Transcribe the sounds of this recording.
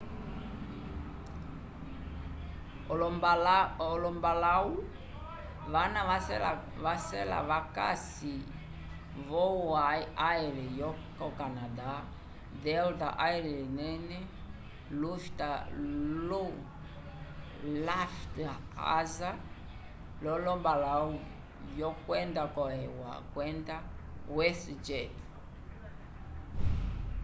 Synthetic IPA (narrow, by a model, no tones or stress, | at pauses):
ɔlɔmbalɔlɔmbalau | vanaasɛla | vasɛla̰βaka̰s | i | vɔwaiaɛɾɛjɔkɔkanad̪a | dɛlt̪a̰ʔaiɾɛlinɛnɛ | luftalu | laftaa̰za | lɔlɔbalau | jɔkwɛndakɔɛwa̰kwɛndawɛsd͡ʒɛt